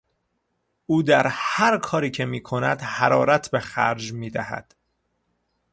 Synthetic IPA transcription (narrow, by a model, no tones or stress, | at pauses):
uːd̪æɾhæɾkʰɒːɾiːcʰe̞miːkʰo̞næ̰d̪hæɾɒːɾæt̪ʰbexæ̰ɾd͡ʒmiːd̪æhæ̰d̪̥